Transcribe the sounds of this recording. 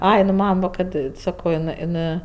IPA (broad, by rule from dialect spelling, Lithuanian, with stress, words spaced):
ˈɐɪ nʊ ˈmɐm ʋɐ kɐt ˈsɑːkoː ɪˈnɜ ɪˈnɜ